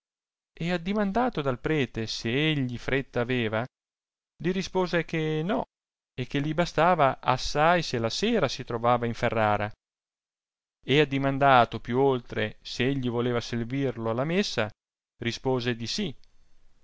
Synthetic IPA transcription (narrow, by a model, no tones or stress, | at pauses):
ead̪ːimand̪aːt̪od̪alpɾɛːt̪eseeʎːifɾet̪ːaːveːva | liɾispoːzekenɔ | ek̟ːelːibast̪aːvaʔasːajselaseːɾasit̪ɾovaːvaiɱferːaːɾa | ead̪ːimand̪aːt̪opjuolt̪ɾeseeʎːivoleːvaservirloalːamesːa | rispoːzed̪isi